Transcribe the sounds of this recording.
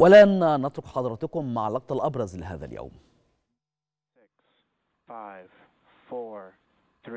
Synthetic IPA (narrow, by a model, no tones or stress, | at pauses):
walannɑt̪ɾʊqħɑd̪ˤɑɾˤɑt̪ʊkʊmːaʕlːɑq̚t̪ˤɑlʔɑbɾˤɑzlɪɦa̰ːða̰lja̰wm | ɪks | faɪv̥ | fɔɹ | θɹ